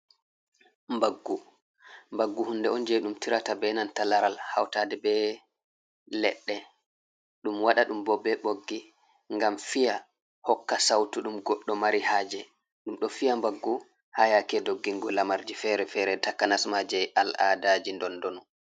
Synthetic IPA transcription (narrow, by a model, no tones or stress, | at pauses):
mbaɡːu | mbaɡːuhundɛɔnd͡ʒɛɗumtiɾatabɛnantalaɾalha̰wtaːdɛbɛ | lɛ̰ɗːɛ | ɗumwaɗaɗumbɔbɛɓoɡːi | ŋɡamfija | hɔkːasawtuɗumɡɔɗːɔmaɾihaːd͡ʒɛ | ɗumɗɔfijambaɡːu | hajakɛdoɡːiŋɡɔlamaɾd͡ʒifɛɾɛfɛɾɛtakːanasmad͡ʒɛjʔala̰dad͡ʒindɔndɔnɔ